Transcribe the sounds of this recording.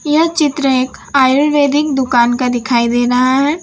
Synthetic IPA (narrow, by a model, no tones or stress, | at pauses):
jɐɦt͡ʃɪt̪ɾəeːkaːjʊlʋeːd̪ɪk̚d̪ʊkaːnkad̪ɪkʰaːid̪eːɾɐɦaɦɛː